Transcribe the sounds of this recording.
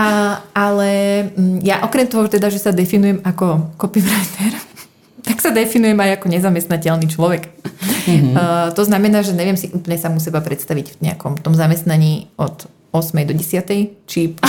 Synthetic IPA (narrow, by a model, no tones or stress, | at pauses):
alɛjaʔɔkɾɛmt̪ɔɦɔt̪ɛd̪aʒɛsad̪ɛfinujɛmakɔkɔpifɾajt̪ɛɾ | t̪aksad̪ɛfinujɛmajakɔɲɛzamɛst̪nacɛlnit͡ʃlɔʋɛk | t̪ɔznamɛnaːʒɛɲɛʋɪɛmsiʔuːpl̩ɲɛsamus̬ɛbapɾɛt̪st̪aʋicfɲɛ̰a̰kɔmft̪ɔmzamɛst̪naɲiːɔt̪ | ɔsmɛjd̪ɔɟɛsɪat̪ɛjt͡ʃip